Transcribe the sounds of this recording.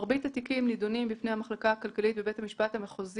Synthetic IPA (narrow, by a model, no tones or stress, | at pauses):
ʁbitatikimlidonimbifnejhamaχlakahakalkalit̪̚bebe̞thamiʃpathameχoz